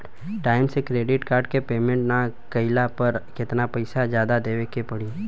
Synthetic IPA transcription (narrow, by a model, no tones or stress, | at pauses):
ʈaːɪmsekɾeːɖɪʈkaːɾɖkepeːmẽɳʈnakəɪlapəɾkɪt̪napɐɪsad͡ʒjaːd̪ad̪eːʋekepɐɽi